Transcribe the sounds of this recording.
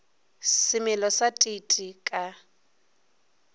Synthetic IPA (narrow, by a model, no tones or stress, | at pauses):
sɪmɛlɔsatʼitʼikʼa